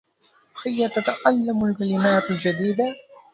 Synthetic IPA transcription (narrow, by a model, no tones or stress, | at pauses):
hajːat̪at̪aʔalːamalkalɪmaːt̪ald͡ʒad̪iːd̪a